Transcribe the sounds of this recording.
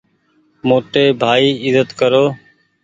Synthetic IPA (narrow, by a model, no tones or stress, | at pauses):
moːʈeːbʱaːiːɪzət̪kəɾoː